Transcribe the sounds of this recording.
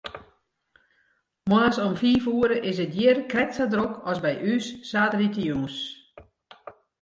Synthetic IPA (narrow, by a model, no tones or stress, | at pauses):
mwaːsɔmfiːfuːəɾəʔɪsət̚jɪərkrɛk̚sadrokʰɔsbɛjʔysːaːtəritəjuŋs